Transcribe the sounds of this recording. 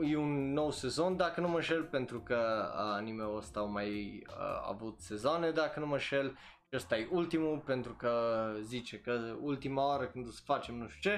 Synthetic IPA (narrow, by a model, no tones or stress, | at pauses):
jeunːowsezo̞nd̪akənuməʃelpent̪ɾukənimewəst̪awmajə̰a̰vut̪sezoned̪akənuməʃel | ʃiəst̪ajeʔult̪imupent̪ɾukəzit͡ʃekəult̪imaaɾəkɨnd̪osə̥fat͡ʃemnuʃt̪u̥t͡ʃe